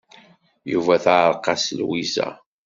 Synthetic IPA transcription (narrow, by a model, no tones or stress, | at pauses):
juvæθʕɾˤqɑsəlwizæ̰